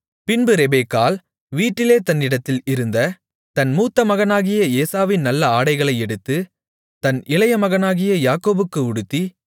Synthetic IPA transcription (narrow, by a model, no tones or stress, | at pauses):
pɪnbɯɾɛbeːkːaːl | ʋiːʈːɪleːt̪ɐnːɪɽɐt̪ːɪlɪɾɯnd̪ɐ | t̪ɐnmuːt̪ːɐmɐɣɐnaːɣɪjɐeːsaːʋɪnnɐlːɐaːɽɐɪɣɐɭɐɪɛɽɯt̪ːɯ | t̪ɐnɪlɐjɐmɐɣɐnaːɣɪjɐjaːkːoːbɯkːɯʊɽɯt̪ːi